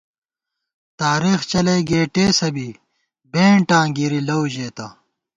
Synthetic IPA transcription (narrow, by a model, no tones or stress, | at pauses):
t̪aːɾiːxt͡ɕɐlejɡeːʈeːsɐbi | bẽːɳʈãːɡiɾilɐwʑeːt̪ɐ